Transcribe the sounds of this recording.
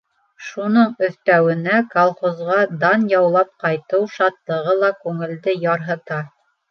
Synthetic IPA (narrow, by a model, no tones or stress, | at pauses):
ʃunɤɴɵ̆θt̪æwɘ̆nækolˠχozʁɑd̪ɑnjɑwlˠɑp̚qɑjt̪ɤwʃɑt̪lˠɤ̆ʁɤlˠɑkʉŋɘ̆ld̪ɘjɑɾɦɤ̆t̪ɑ